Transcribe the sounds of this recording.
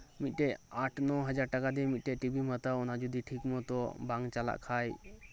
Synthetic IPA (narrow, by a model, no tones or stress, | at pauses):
mit̪̚ˀʈɛʔaʈʰnɔɦəd͡ʒaɾʈəkad̪ɛmit̪̚ˀʈɛʈibimət̪aɔnad͡ʒud̪iʈʰikmət̪ɔbãŋɡt͡ʃala̰ʔkʰaj